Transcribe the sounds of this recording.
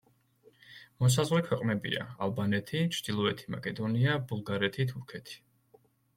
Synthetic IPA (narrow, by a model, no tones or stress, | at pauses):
mɔs̬azʁwlɛkʰwɛqʼnɛbḭa̰alˠbanɛt̪ʰit͡ʃʰɾd̪ilˠɔɛt̪ʰima̰kʼɛd̪ɔniabulˠɡaɾɛt̪ʰit̪ʰuɾkʰɛt̪ʰi̥